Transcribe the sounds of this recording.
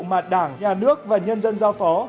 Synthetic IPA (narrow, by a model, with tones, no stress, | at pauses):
maː˨˩t̚ɗaː˧˩ŋɲaː˨˩nɨ˦˥ək̚vaː˨˩ɲə˧nzə˧nzaː˧wfɔ˨˦